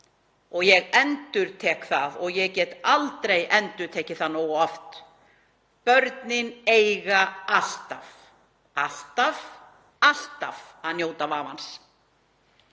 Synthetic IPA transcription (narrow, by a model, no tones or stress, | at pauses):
ɔɣjɛɣɛnt̪ʏɾt̪ʰɛːkθaðɔɣjɛɣcɛːt̪alt̪ɾejɛnt̪ʏɾ̥t̪ʰɛːcɪθaðnoːwɣɔft̪ | pœɾt̪nɪneːjɣaast̪af | ast̪av | ast̪avaðnjoːwt̪avaːvans